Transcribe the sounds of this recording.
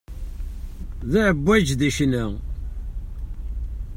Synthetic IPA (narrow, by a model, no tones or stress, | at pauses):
ðiʕəbːæd͡ʒðiʃnæ